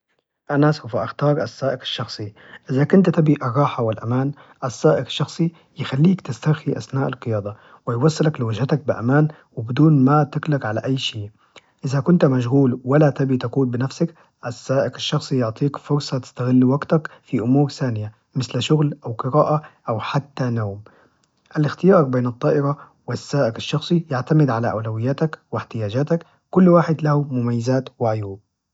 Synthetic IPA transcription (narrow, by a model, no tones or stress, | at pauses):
ʔanasawfaʔaxt̪ɑːɾˤʔasːaːʔɪqḁʃːɑxsˤi | ʔɪzakʊnt̪at̪abiʔɑrˤːɑːħawɪlʔamaːn | ʔasːaːʔɪqɪ̥ʃːɑxsˤi | jɪxalːiːkt̪ɪst̪axiʔa̰snaːʔalqɨjɑːd̪ˤɑ | wɪjwɑsˤːɨlaklɪwɪd͡ʒhat̪ak̚bɪʔa̰maːn | wɪbɪd̪uːnmat̪ɪklaqʕalaʔajːʃiːʔ | ʔɪzakʊnt̪maʃ̬ɣuːlwalat̪abit̪akuːnbɪnafsak | ʔasːaːʔɪqaʃːɑxsˤijʊʕt̪ˤiːkfʊɾsˤɑt̪ɪ̥st̪aɣɪlːwaɡt̪akfiʔʊmuːɾθaːnɪja | mɪθlʃʊɣlʔawqɨɾaːʔaʔawħat̪ːanoːm | ʔalɪxt̪ɪjɑːɾˤbeːnɨt̪ˤːɑːʔɪɾɑ | wɪsːaːʔɪqaʃːɑxsˤijaʕt̪amɪd̪ʕalaʔa̰wlawɪjːaːt̪akwɪħt̪ɪjaːd͡ʒaːt̪akː | ʊlːwaːħɪd̪lahumʊmajːɪzaːt̪wɪʕʊjuːb̚